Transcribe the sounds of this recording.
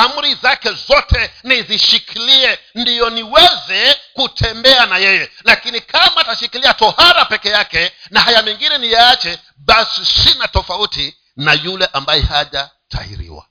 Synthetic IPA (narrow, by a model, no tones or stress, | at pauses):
am̩ɾizakɛzɔtʰɛniziʃikʰiliɛndijɔniwɛzɛkutʰɛmbɛanajɛjɛlakinikʰamaːtaʃikiliatɔhaɾapɛkɛjakɛnahajamiŋɡinɛnijaat͡ʃɛ | ɓasisinatɔfauti | najulɛʔambajɛhaʄa | tʰa̰ḭɾḭwa̰